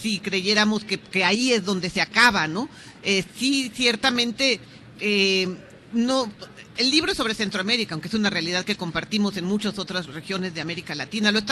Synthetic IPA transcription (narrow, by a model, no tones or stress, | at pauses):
sikɾe̞ʝe̞ɾamo̞skeke̞aie̞zðo̞nd̪e̞seakaβano̞ | esisjeɾt̪amẽ̞nt̪e̞ | e | no̞elːiβ̞ɾoeso̞βɾe̞se̞nt̪ɾoame̞ɾikawŋkeesunare̞alið̞aðke̞ko̞mpaɾt̪imo̞se̞nmut͡ʃaso̞t̪ɾasre̞xjo̞ne̞zðe̞ame̞ɾikalat̪inaloest̪